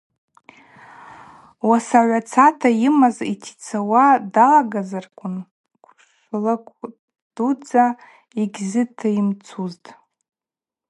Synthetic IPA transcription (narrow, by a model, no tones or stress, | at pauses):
wasaʕʷat͡sʰatʰajimazitʰi̥t͡sʰawadalaɡazarkʷʰʊn | ɡʷʰ | ʂlakʷʰʼ | d̥ud͡za | iɡʲzɨtʰaimt͡sʰuztʼ